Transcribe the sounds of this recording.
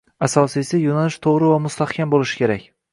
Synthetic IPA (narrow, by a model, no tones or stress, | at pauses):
asɒsisɪjonalɪʃt̪ʰoʁɾɪvamʊst̪ahkʲʰambolɪʃɪ̥kʲʰe̞ɾakʲ